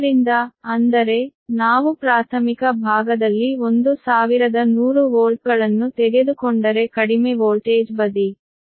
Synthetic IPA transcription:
ɾind̪ɐɐnd̪ɐɾe̞naːʋupɾaːt̪ʰɐmikɐbʱaːɡɐd̪ɐlːio̞nd̪usaːʋiɾɐd̪ɐnuːɾuʋoːlʈ̚ɡɐɭɐnːut̪ɛɡe̞d̪ukoɳɖɐɾe̞kɐɽimeʋoːlʈeːd͡ʒbɐd̪i

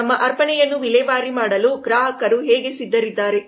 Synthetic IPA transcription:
ɐmːɐʔɐɾpɐɳɛjɐnːuʋilɛʋaːɾimaːɽɐluɡɾaːɦɐkɐɾuɦeːɡe̞sid̪ːɐɾid̪ːaːɾe̞

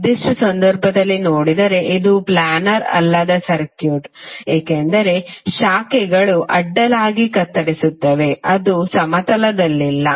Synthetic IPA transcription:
d̪iʂʈɐsɐnd̪ɐɾbʱɐd̪ɐlːinoːɽid̪ɐɾe̞ʔid̪uplaːnɐɾɐ̰lːɐd̪ɐsɐɾkjuːʈeːkend̪ɐɾe̞ʃaːkɛɡɐɭuʔɐɖːɐlaːɡikɐt̪ːɐɾisut̪ːɐʋe̞ɐd̪usɐmɐt̪ɐlɐd̪ɐlːilːɐ

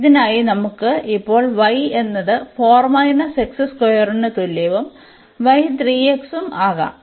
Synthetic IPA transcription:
iðinaːjinɐmukːɨipːo̞ːɭʋɐje̞nːɐðɨfo̞ːrmaːjinɐsɐksɐskojɐrunɨt̪ulːeːʋɐm | ʋɐjt̪riːeksumaːɣɐ̰ːm

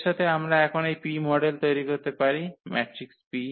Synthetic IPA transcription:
ʃat̪ʰeamɾaɛkʰonejpimɔɖelt̪ojɾikoɾt̪epaɾimɛʈɾikspi

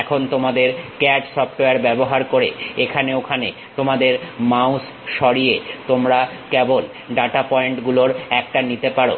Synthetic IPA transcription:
ɛkʰont̪omad̪eɾkɛʈsɔpʈoaɾbɛboɦaɾkoɾeekʰaneokʰanḛ | t̪omad̪eɾmaus | ʃɔɾiet̪omɾa | kebol | ɖaʈapɔeɳʈɡuloɾɛk̚ʈanit̪epaɾo̰

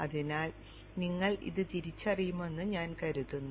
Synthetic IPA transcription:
ɐðinaːl | niŋːɐɭḭðɨt̪iɾit͡ɕːɐrijume̞nːuɲaːnkɐɾuðunːu

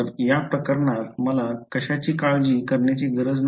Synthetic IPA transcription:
əɾjapɾəkəɾɳat̪məlakəɕat͡ɕiːkaɭd͡ʑiːkəɾɳjat͡ɕiːɡəɾəd͡zn

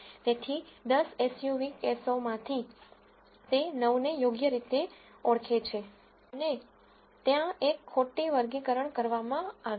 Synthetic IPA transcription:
t̪et̪ʰid̪əsesjuʋikesomãt̪ʰi | t̪enəʋnejoɡjəɾit̪e | əɽkʰet͡ʃʰe | əne | t̪jãekʰːoʈeʋəɾɡikəɾəɳkəɾʋamãaʋe

